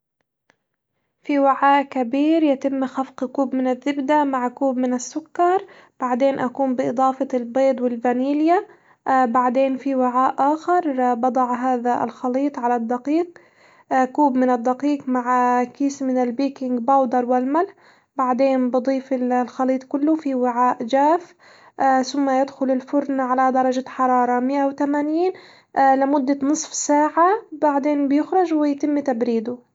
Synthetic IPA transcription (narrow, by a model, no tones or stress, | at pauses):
fiwaʕaːʔkabiːɾjɪt̪ɪmːxafqkuːbmɪnɪðːɪbd̪amaʕkuːbmɪnɪsːʊkːɑɾˤ | b̥aʕd̪eːnʔakuːmbɪʔɨd̪ˤɑːfɑlbeːd̪ˤwɪlvaniːlja | baʕd̪eːnfiwaʕaːʔʔaːxɪɾˤbɑd̪ˤɑʕɦaːðaɪ̰lxɑliːt̪ˤʕalad̪ːɑqiːq̚ | kuːbmɪnɪd̪ːaqiːqmaʕakiːsmɪnɪlbiːkɪŋɡbawd̪ɑɾˤwɪlmalħ | baʕd̪eːnbɨd̪ˤiːfɪlxɑliːt̪ˤkʊlːʊfiwɪʕaːʔd͡ʒaːf | θʊmːajɪd̪xʊlɪlfʊɾnaʕalad̪ɑɾˤɑd͡ʒaħɑɾˤɑːɾˤɑmɪʔawt̪amaːniːn | lɪmʊd̪ːanɨsˤfsaːʕabaʕd̪eːnbjɪxɾɪd͡ʒwɪjt̪ɪmːt̪abɾiːd̪ʊ